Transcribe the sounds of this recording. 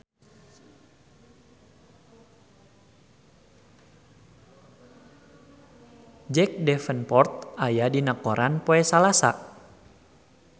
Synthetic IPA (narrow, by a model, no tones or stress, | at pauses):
d͡ʒɛk̚dɛfənpɔrt̪̚ajadinakoɾanpoɛsalasa̰